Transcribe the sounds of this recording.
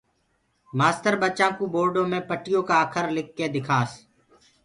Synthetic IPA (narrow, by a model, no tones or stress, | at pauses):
maːst̪əɾɓət͡ʃãːkũːboːɾɖõːmẽːpəʈɪjõːkaːəkʰəɾlɪkːeːd̪ɪkʰaːs